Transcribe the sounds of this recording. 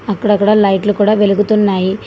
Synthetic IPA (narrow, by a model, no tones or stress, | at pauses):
ɐkːɐɽɐkːɐɽaːlɐjʈlukuːɽaːʋe̞luɡut̪unːaːji